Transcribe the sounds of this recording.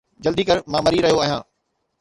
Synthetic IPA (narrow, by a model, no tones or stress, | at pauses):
d͡ʑɐld̪iːkɐɾmãːmɐɾiɾɐɦijoaːɦjãː